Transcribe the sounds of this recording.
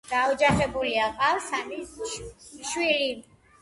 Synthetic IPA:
ɡ̥aɔd͡ʒaχɛbuliaqʼawsamis | ʃwili

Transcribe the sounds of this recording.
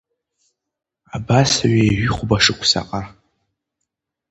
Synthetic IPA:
abasaɥajʒʏχʷbaʂɨkʷʰsa̰qʼa

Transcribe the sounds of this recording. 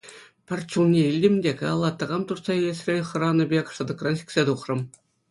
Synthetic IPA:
pʲɘ̆rʲt͡ɕulnʲeilʲdʲɘ̆mʲdʲekɑɑlˠːɑt̪ːɤ̆ʁɑmt̪ursɑilʲesʲrʲeχɤ̆rɑnɤ̆bʲekʂɤ̆d̪ɤ̆krɑnɕi̥kʲsʲet̪uχrɤ̆m

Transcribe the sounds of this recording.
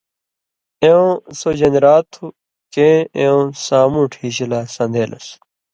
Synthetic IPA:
eõsod͡ʑɐnɾaːt̪ʰu | kẽːẽõsaːmuʈʰiːɕilaːsɐ̃nd̪eːlʔɐ̰s

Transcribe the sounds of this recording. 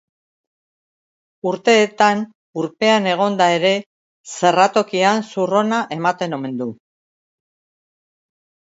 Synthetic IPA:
uɾt̪e̞ːt̪an | uɾpe̞ane̞ɣ̞o̞nd̪ae̞ɾe̞ | se̞rat̪o̞kiansuro̞naʔe̞mat̪e̞no̞me̞nd̪u

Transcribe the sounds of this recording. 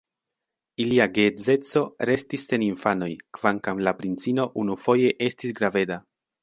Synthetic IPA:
iliaɡe̞d͡ze̞t͡so̞ɾe̞stisːe̞ninfano̞jkv̥aŋkamlapɾint͡sino̞ʔunufo̞je̞ʔe̞stisɡɾave̞da

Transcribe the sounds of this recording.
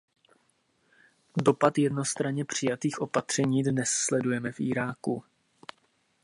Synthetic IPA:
do̞pat̪jɛdno̞st̪ɾaɲɛpr̝̥ɪjat̪iːxʔo̞pat̪r̝̥ɛɲiːdnɛsːlɛdujɛmɛfʔḭːɾaːku

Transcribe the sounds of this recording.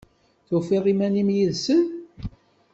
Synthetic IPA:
θufiʁˤimænimjiðsən

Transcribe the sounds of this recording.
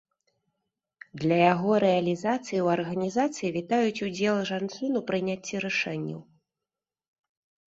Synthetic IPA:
d̪lʲɐjaɣɔɾɛɐlʲizat̪sɨjiwɐrɣɐnʲizat̪sɨjivʲit̪ajut͡sʲud͡zʲɛlˠɨʐant͡ʂɨnupɾɨnʲat͡sʲːiɾɨʂɛnʲːɐ̰w

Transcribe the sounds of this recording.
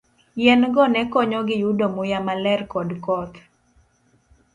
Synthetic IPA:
jɛnɡɔnɛkɔɲɔɡɪjudɔmʊjamalɛrkɔdkɔt̪

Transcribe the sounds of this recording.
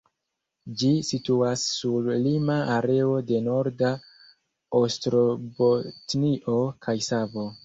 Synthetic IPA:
d͡ʒisituasːuɾlimaaɾe̞o̞de̞no̞ɾda | ostɾobotniʔo̞kʰajsavo

